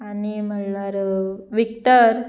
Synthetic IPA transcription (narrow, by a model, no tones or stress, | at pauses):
anim̤əlaɾʋik̚t̪əɾ